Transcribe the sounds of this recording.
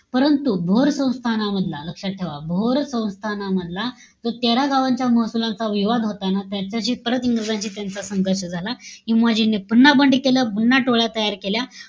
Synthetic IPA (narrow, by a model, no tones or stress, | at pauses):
pəɾənt̪ubʱoɾsə̃w̃st̪ʰanaməd̪ʱlaləkʂaʈ̚ʈʰeʋabʱoɾsə̃w̃st̪ʰanaməd̪la | d͡zot̪aɾaɡaʋãɲt͡ɕjaməɦsulãnt͡saʋiʋad̪ɦot̪anat̪jat͡ɕjaɕiːpəɾət̪iŋɡɾəd͡zãɲt͡ɕiːt̪jant͡sasəŋɡəɾɕəd͡zʱalaɦimad͡ʑinːepunːabəɳɖikeljapunːaʈoɭjat̪əjaɾkelja